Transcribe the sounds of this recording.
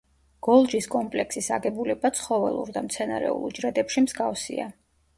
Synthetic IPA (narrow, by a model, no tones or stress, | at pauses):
ɡ̥ɔlˠd͡ʒiskʼɔmpʼlɛksisa̰ɡɛbulɛbat̪sʰχɔvɛ̰lˠṵɾd̪amt̪sʰɛna̰ɾɛ̰ṵlˠd͡ʒɾɛd̪ɛpʃimzɡafsḭa